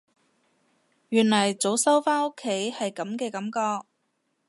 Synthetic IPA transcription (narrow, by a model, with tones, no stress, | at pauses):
jyː˨˩nlɐ˨˩jt͡so˨˥wsɐ˥wfaː˥nʊ˥kʰːe˨˥jhɐ˨jkɐ˨˥mkɛː˧kɐ˨˥mkɔː˧k̚